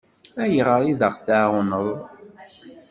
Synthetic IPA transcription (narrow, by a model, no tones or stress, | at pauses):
æjəʁəɾˤiðəʁθaʁʊnəðˤ